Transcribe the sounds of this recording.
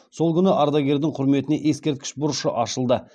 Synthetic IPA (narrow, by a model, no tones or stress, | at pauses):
so̞lˠkʲʰʏnɪʔɑɾd̪ɑɡʲe̞ɾd̪ɪŋqʰʊɾme̞t̪ɪne̞ʔje̞skʲe̞ɾt̪̚kʲɪ̥ʃbʊɾʊʃəʔɑʃəlˠd̪ə